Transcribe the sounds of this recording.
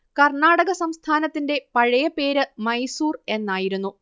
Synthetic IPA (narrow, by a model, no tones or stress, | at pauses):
kɐrɳaːɽɐɣɐsɐmst̪ʰaːnɐt̪ːinde̞pɐɻɐjɐpe̞ːɾɨmɐjsuːre̞nːaːjiɾunːu